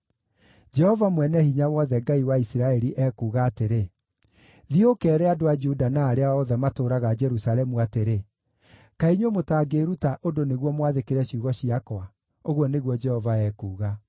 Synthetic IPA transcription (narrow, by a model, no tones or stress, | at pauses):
d͡ʒɛhɔvamwɛnɛhiɲawɔðɛɡaiwaisiɾaɛɾiʔɛkuːɣaːteɾe | ðiokɛːɾɛadoad͡ʒudanaːɾeaɔðɛmatoːɾaɣad͡ʒɛɾusalɛmuateɾe | kaiɲomotaːɡeːɾutaʔodoneɣwɔmwaðekeɾɛɕiuɣɔɕiakwa | oɣwɔneɣwɔd͡ʒɛhɔvaɛːkuːɣa